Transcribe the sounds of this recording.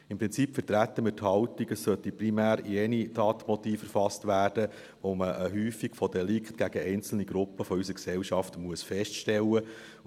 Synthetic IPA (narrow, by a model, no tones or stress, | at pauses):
ɪmpɾɪnt͡sipfətɾæt̪ːəmɪrthɑwtiɡəsːœt̪iprimæːɾiɛnid̥ɑːtmɔt̪iːfəɾfɑstʋæːrd̥ə | ʋoməʔəɦyːfikfɔdɛlikχtɡ̥æɡ̥əɛɪnt͡sl̩niɡɾʊpːəfɔysəksɛwʃɑftmuəsfɛstʃtɛlə